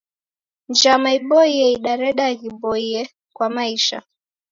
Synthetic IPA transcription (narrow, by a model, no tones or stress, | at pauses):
nd͡ʒamaiɓɔiɛiɗaɾɛɗaɣiɓɔiɛ | kwamaiʃa̰